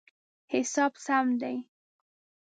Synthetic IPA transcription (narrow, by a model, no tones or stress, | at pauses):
hɪsɑbsamd̪aj